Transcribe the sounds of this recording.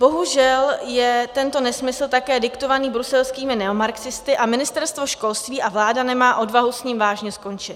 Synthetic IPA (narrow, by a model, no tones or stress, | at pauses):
bo̞ɦuʒɛljɛt̪ɛnt̪o̞nɛsmɪsl̩t̪akɛːdɪkt̪o̞vaniːbɾusɛlskiːmɪnɛomaɾksɪst̪ɪʔamɪnɪst̪ɛɾst̪voʃko̞lst̪viːʔavlaːdanɛmaːʔo̞dvaɦusɲiːmvaːʒɲɛsko̞nt͡ʃɪt̪